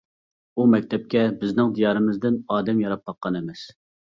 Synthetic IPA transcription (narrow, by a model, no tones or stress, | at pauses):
umɛk̚ʲt̪ʰɛp̚kʲɛbɪznɪŋd̪ijɑːɾɨmɨzd̪ɪnɑːd̪ɛmjɑɾɑp̚bɑqːɑnɛmɛs